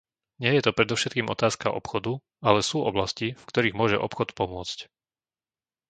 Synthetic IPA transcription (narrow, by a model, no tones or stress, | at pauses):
ɲɪɛjɛt̪ɔpɾɛd̪ɔʊʃɛt̪̚kiːmɔt̪aːska̰ʔɔ̰pxɔd̪u | alɛsuːʔɔblascifkt̪ɔɾiːɣmʊɔʒɛ̰ʔɔ̰pxɔt̪pɔmʊɔt͡sc